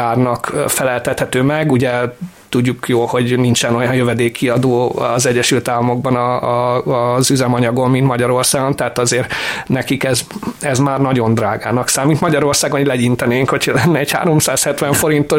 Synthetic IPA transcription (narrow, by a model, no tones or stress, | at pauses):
aːrnɒkfɛlɛlt̪ɛt̪hɛt̪øːmɛɡuɟɛ | t̪uɟːukjoːlho̞ɟnint͡ʃɛno̞jɒnjøvɛd̪eːkʰːiɒd̪oːɒzɛɟːɛʃylt̪aːlːɒmo̞ɡ̚bɒnɒ | zyzɛmɒɲɒɡo̞mmint̪mɒɟɒɾo̞rsaːɡo̞nt̪ɛɦaːt̪ɒzeːrnɛkikɛzɛzmaːrnɒɟo̞nd̪raːɡaːnɒksaːmːit̪mɒɟɒɾo̞rsaːɡolɛɟint̪ɛneːŋkho̞cʰhɒlɛnːɛɛcha̰ːɾo̞msaːshɛt̪ʋɛɱfo̞ɾint̪o